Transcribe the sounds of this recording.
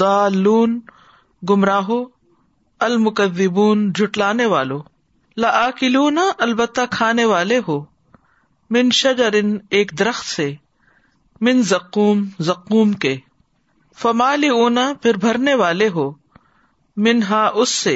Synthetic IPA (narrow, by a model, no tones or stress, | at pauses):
aːlːuːn | ɡʊmɾaːɦo | ɐlmʊkɐðːɪbuːnd͡ʒʱʊʈlaːneʋaːloː | lɐʔaːkɪluːnaʔɐlbət̪ːakʰaːneʋaːleɦoː | mɪnʃɐd͡ʒɐɾɪneːkd̪ɐɾɐxt̪se | mɪnzɐqːuːmzɐqːuːmkeː | fɐmaːlɪuːnapʰɪɾbʱɐɾneʋaːleɦoː | mɪnɦaːʔʊsːe